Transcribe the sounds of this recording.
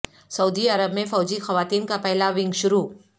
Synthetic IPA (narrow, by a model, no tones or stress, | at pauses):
sɐud̪iɐɾəbmẽfɔːd͡ʒixɐʋaːt̪iːnkapɛɦlaʋɪ̃ŋɡʃʊɾuː